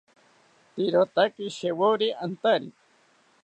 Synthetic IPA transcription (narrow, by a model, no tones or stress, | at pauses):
t̪iɾot̪akiʃewoɾiʔant̪aɾi